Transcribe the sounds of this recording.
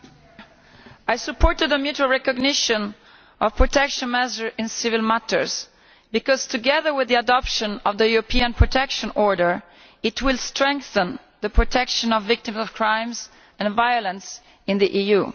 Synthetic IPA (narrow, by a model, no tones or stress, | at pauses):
ajsəpːɔɹt̪əd̪əmjut͡ʃualɹɛkɔɡnɪʃɔ̃n | ʔɔvpɹɔt̪ɛkʃɔ̃nmɛzəɹɪ̃nsɪvɪlmat̪əɹz | bikɔz̥t̪ʰuɡɛðəɹwɪðiadɔpʃɔ̃nɔvðəjuɹɔpiãnpʰɹɔtʰɛkʃɔ̃nɔɹdəɹ | ɪtʰwɪlstɹɛ̃ŋkθə̃n | ðəpɹɔt̪ʰɛkʃɔ̃nɔvːɪk̚t̪ɪ̃mzɔvkʰɹãj̃mz | ɛ̃nvajɔlə̃ns | ɪ̃nd̪iʔiju